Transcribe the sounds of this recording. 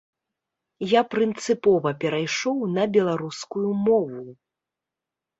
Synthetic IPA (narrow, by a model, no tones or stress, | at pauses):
japɾɨnt̪sɨpɔvɐpʲɛɾajʂɔwnɐbʲɛlˠaɾuskujumɔvu